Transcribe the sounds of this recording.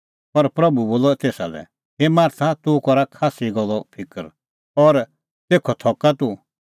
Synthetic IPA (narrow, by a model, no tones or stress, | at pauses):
pɐɾpɾɐbuboːlɔt̪eːsa̰lɛ̰ | ɦemaːɾt̪ʰat̪ukɔɾakʰaːsiɡɔlːɔpʰɪkəɾ | ɔɾ | t̪eːkʰɔt̪ʰɔkat̪u